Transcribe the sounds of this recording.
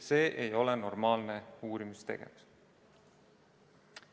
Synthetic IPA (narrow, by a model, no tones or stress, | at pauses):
se̞ːʔejo̞lɛno̞rmɑːlneuːɾimist̪e̞ɡ̥e̞̰mus